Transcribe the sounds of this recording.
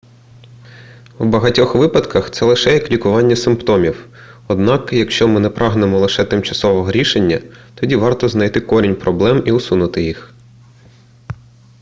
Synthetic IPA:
wbɐɦɐtʲɔxʋɪpɐd̪kɐxt̪sɛlˠɪʃɛjɐklʲikʊʋɑnʲːɐsɪmpt̪ɔmʲiw | ɔd̪nɑkjɐkʃt͡ʃɔmɪnɛpɾʔɑɦnemɔlˠɪʃɛt̪ɪmt͡ʃɐsɔʋɔɦɔɾʲiʃenʲːɐt̪ɔdʲiʋɑrt̪ɔznɐjt̪ɪkɔɾʲinʲpɾɔblˠɛmiʊsunʊt̪ɪjix

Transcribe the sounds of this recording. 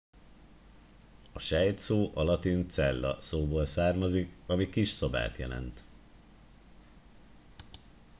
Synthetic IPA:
ɒʃɛjt̪soːʔɒlɒt̪int̪sɛlːɒ̰soːboːlsaːrmɒzikɒmikiʃsoba̰ːt̪jɛlɛ̰nt̪

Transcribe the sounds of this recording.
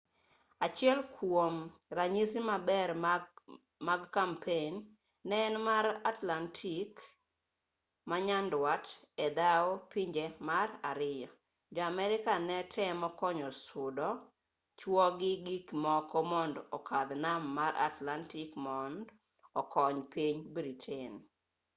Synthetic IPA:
at͡ʃɪɛlkʰwomraɲisimabɛr | maɡkampʰenː | ɛːnmaɾatlantʰik | maɲandwatɛd̪aopiɲd͡ʒemaraɾɪjɔ | d͡ʒɔamɛɾɪkanɛtʰɛmɔkɔɲɔsʊdɔ | t͡ʃwɔɡɪɡikmɔkɔmɔndɔkʰad̪namːaɾa̰tlantikmɔnd | ɔkʰɔɲpiɲbɾitʰin

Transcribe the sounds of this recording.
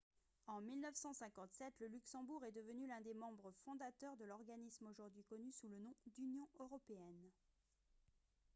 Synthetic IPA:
ɑ̃milnəfsɑ̃sɛ̃kɑ̃t̪sɛt̪ləlyksɑ̃buʁɛd̪əvənylɛ̃d̪emɑ̃bʁəfɔ̃d̪at̪œʁd̪əlɔʁɡanismoʒuʁd̪ɥikɔnysulənɔ̃d̪ynjɔ̃øʁɔpeɛn

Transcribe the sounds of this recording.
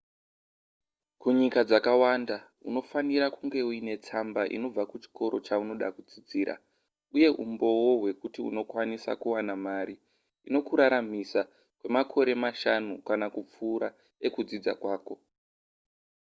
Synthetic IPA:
kuɲikad͡zakawanda | uno̞faniɾakuŋɡe̞uine̞t͡sambaʔḭno̞b͡vakut͡ʃi̥ko̞ɾo̞t͡ʃauno̞ɗa̰kud͡zid͡ziːɾa̰ | uje̞ɦʔṵmbo̞wo̞ɦwe̞kutiṵno̞kwanisa̰kuwanamaɾi | ino̞kuɾaɾamisa | kwe̞makʰo̞ɾe̞maʃanukanakup͡fuːɾa | e̞kud͡zid͡za̰kwaːko̞

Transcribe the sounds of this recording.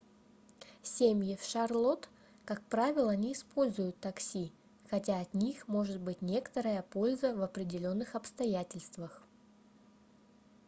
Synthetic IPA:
sʲemʲjɪfʂɐrlˠo̞t̪ | kak̚pɾavʲɪlˠəɐnʲiːspo̞lʲzʊjʊt̪ːɐksʲi | xɐtʲaɐt̪nʲixmo̞ʐɨt̪̚bɨtʲnʲe̞kə̥t̪əɾəjəpo̞lʲzəvɐpɾʲɪdʲɪlʲo̞nːɨxɐpst̪ɐjætʲɪlʲst̪vəx

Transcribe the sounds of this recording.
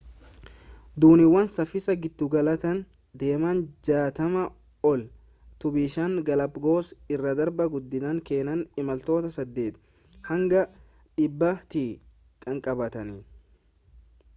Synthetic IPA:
d̪uːnɪwɐnsɐfɪsɐɡɪd̪ːʊɡɐlɐt̪ɐn | d̪e̞ːmand͡ʒaːt̪ɐmɐ | ɔl | t̪ʊbiːʃɐŋɡɐlɐpɡo̞ːsɪrːɐd̪ɐɾbɐɡʊd̪ːɪd̪ɐŋke̞ːnɐnɪmɐlt̪o̞ːt̪ɐsɐd̪ːe̞ːt̪ | hɐŋɡɐ | ᶑɪbːɐt̪iː | kʼɐŋkʼɐbɐt̪ɐnɪ

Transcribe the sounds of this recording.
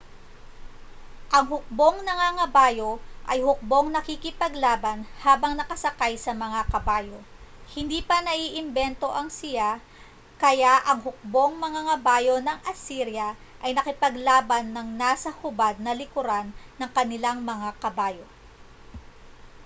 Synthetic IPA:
ʔɐŋɦʊk̚bo̞ŋnɐŋaŋɐbaːjo̞ʔɐjhʊk̚bo̞ŋnɐkɪkɪpɐɡlaːbɐnhaːbɐŋnɐkɐsɐkajsɐmɐŋakɐbaːjo̞ | hɪnd̪iːpɐnɐʔiːʔɪmbɛnt̪o̞ʔɐŋsɪja | kɐjaʔɐŋɦʊk̚bo̞ŋmɐŋaŋɐbaːjo̞nɐŋʔɐsiɾjɐ | ʔɐjnɐkɪpɐɡlaːbɐnːɐŋnaːsɐhʊbad̪̚nɐlɪkʊɾanːɐŋkɐnɪlaŋmɐŋakɐbaːjo̞

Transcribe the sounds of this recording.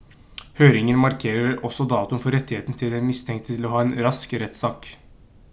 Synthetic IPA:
høːɾɪŋənmɑɾkʰeːɾəɾɔsːɔd̪ɑːt̪ʊnfɔɾɛt̪ːɪheːt̪n̩t̪ʰɪlæmɪst̪ʰɛŋkt̪ɪlɔɦɑːeːnɾɑskɾɛt̪sɑːk

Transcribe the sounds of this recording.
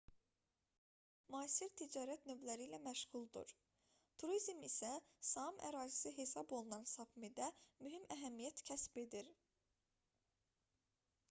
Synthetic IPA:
muɑːsiɾt̪ʰid͡ʒɑːɾæt̪nø̞vlæɾilæmæʃɣulˠd̪ṵɾ | t̪ʰuɾizmisæsɑmæ̰ɾɑːzisiɦe̞sɑbo̞lˠunɑnsɑpʰmid̪æmyɦimæɦæmijæt̪cʰæsbe̞d̪iɾ

